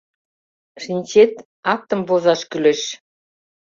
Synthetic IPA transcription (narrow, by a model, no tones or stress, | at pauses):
ʃinʲt͡ɕet̪ | ɑk̚t̪əmvozɑʃkyleʃ